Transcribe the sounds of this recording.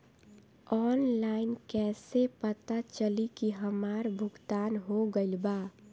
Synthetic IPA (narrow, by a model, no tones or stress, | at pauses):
ɔːnlaɪnkɛsepət̪at͡ʃəlikiɦəmaːɾbʱʊɡt̪aːnɦoɡəɪlba